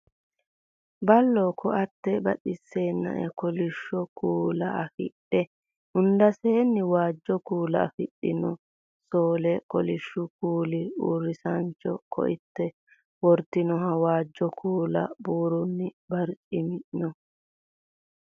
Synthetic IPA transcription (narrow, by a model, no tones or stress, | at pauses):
bɐlːoːkʰɔʔɐt̪ːɛbɐ̰ɗɪsːeːnːɐ̰ʔɛ̰kɔlɪʃːɔkʰuːlɐɐfɪ̰ɗːɛ | ʊnd̪ɐseːnːɪwaːd͡ʒːɔkuːlɐ̰ːfɪɗːɪnɔ | soːlɛkɔlɪʃːʊkuːlɪṵːrːɪsɐnt͡ʃːɔkʰɔ̰ʔɪt̪ːɛ | wɔɾt̪ːɪnɔhɐwaːd͡ʒːɔkʰuːlɐ̰buːɾʊnːɪbɐɾt͡ʃʼɪmɪʔnɔ